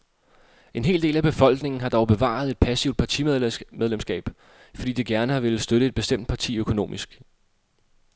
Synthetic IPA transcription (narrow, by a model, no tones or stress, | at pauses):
e̝nɦe̝̰ːld̥e̝̰ːlæb̥e̝fɒ̽l̰ɡ̥ne̝ŋn̩ɦɑ̈d̥ɒʊb̥e̝ʋɑ̰̈ð̞̩ˠe̝d̥̚pʰæsiʊd̥̚pʰɑ̈t͡sʰimeð̞ˠlemsɡ̥ɛ̰ːb̥ | fɒ̽dḭːd̥eɡ̥æɐnəɑʋe̝l̩sd̥øɾ̥əe̝d̚b̥e̝sd̥em̰d̥̚pʰɑ̈t͡sʰḭːøkʰo̝no̝̰ːmisɡ̥